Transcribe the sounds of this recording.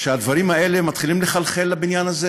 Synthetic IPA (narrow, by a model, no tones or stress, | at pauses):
ʃead̪vaʁimae̞lemat̪χilimleχalχe̞lːabinjanaze